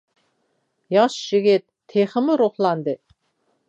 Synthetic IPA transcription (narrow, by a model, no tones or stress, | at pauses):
jɑʃʒɪɡʲɪt̪̚ʰːeχəmɪɾuχlˠɑnd̪ɨ